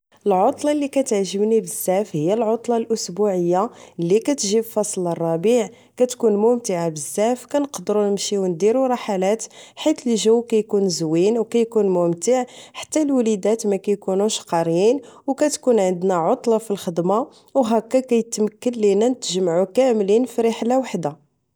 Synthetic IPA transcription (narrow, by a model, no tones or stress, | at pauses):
əlʕot̪ˤlɑlːikæt̪ʕʒəbnibəzːæfhəjːælʕot̪ˤlɑlʔʊsbuʕəjːalːikæt̪ʒibfɑsˤlərˤːɑbiʕ | kæt̪kunmʊmt̪əʕabəzːæfkænəqd̪əɾunəmʃiwənd̪iɾuɾˤɑħalæt̪ħit̪əlʒəwkæjkunzwinwkæjkunmʊmt̪əʕħḁt̪ːælwælid̪æt̪mækæjkunuʃqɑɾˤjinwkæt̪kunʕənd̪næʕot̪ˤlɑfilxəd̪ma | wɦækːækæjət̪məkːənlinænət̪ʒəmʕukæmlinfiɾeħlawaħd̪a